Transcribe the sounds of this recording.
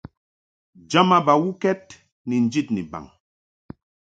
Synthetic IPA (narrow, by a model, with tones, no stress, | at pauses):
d͡ʒa˦ma˦ba˨wu˦kɛ˦t̚ | ni˨n̩˦d͡ʒi˦˨tnḭ˨ba̰˨ŋ